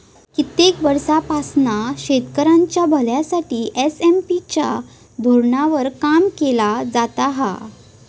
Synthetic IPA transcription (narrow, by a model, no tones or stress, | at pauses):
kit̪ekʋəɾsapasnaɕet̪kəɾãɲt͡ɕjabʱəljasaʈiːʔesempit͡ɕa̰ | d̪ʱoɾɳaʋəɾkamkelad͡zat̪aɦa̰